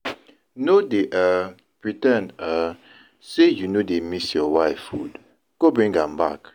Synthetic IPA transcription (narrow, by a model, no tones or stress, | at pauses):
nodeʔa | pɹitɛ̃na | sejunodemisjɔwaɪfud | ɡ̥obɹĩŋɡãmba̰k